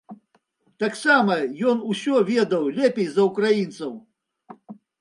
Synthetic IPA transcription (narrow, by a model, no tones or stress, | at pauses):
t̪aksamɐjɔnusʲɔvʲɛd̪ɐwlʲɛpʲejzɐukɾajint̪sɐw